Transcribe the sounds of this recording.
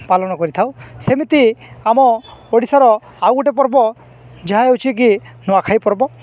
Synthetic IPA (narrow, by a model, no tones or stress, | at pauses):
palɔnɔkɔɾit̪ʰawsemit̪iamɔoɽisaɾɔ | awɡuʈep̬ɔɾbɔ | d͡ʒaɦaewt͡ʃʰik̬inɔakʰajpɔɾbɔ